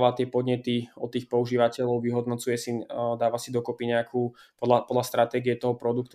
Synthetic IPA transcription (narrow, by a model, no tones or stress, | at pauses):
ʋat̪ɪɛpɔd̪ɲɛt̪iɔt̪ːiːxpɔuʒiːʋacɛʎɔʊʋiɦɔd̪nɔt͡sujɛsid̪aːʋasid̪ɔkɔpiɲɛakʰupɔapɔd̪last̪ɾat̪ɛːɡiɛt̪ɔɦɔpɾɔd̪uk̚t̪u